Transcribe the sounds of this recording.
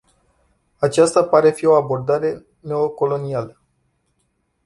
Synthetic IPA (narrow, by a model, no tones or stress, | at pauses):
at͡ʃast̪apaɾe̞fio̞abo̞rd̪aɾe̞ | ne̞o̞ko̞lo̞nialə